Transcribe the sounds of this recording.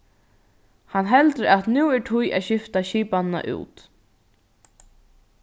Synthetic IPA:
hanɦɛlt̪əɾat̪nuːɛʈʰʊja̰ðɕɪft̪aɕiːpanna̰ʔṵːt̪

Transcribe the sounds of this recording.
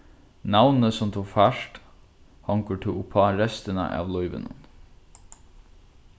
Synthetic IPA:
nɑʋnnəsɔmt̪ʰuːfæʃʈ | hɑŋkəʈʰɪʊpʰɑːɾɛst̪ənə̰ʔɑ̰ːʋlɔʏʋə̰nə̰n

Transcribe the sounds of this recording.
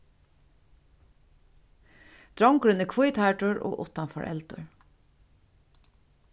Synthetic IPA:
d̪̥ɹɔŋkɾʏnəkʰujt̪ʰaʈʊɹo̰ːʔʊ̰t̪anfɔ̰ɹʔɛ̰lt̪ʊ̰ɹ

